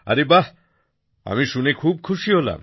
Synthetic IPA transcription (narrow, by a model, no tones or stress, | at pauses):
a̰ɾeba | a̰miʃunekʰub̚kʰuʃiɦola̰m